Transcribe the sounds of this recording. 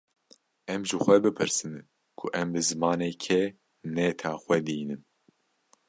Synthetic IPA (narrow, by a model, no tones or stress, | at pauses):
ɛmʒɨxʷɛbɨpʰɨɾsɨn | kʰʊʔɛmbɨzɨmɑːneːkʰɛ | nɛt̪ʰaːxʷɛd̪iːnɨn